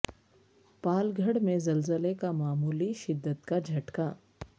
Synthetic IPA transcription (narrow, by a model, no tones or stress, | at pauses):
paːlɡʱəɽmẽzɐlzəlekamaːmuːliʃɪd̪ːət̪kad͡ʒʱɐʈka